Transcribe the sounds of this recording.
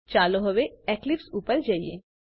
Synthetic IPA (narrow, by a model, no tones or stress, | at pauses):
t͡ʃaːloɦoʋeɛːklɪpsuːpəɾd͡ʒaːiḛ